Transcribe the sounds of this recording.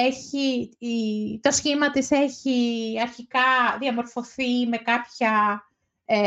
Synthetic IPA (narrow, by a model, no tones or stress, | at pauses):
eçi | t̪o̞sçimɐt̪ise̞çiɐɾçikɐðiɐmo̞ɾfo̞θime̞kɐpçɐ